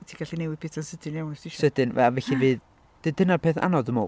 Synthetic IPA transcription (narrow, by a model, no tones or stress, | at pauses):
tʰiɡ̥aɬinewɪðpɪsʰansədɪnjawnasiʃsədɨnvɛ̰vɛɬivɨːð | d̥ɨd̥ənapʰeːθa̰nɔðəmɔ̰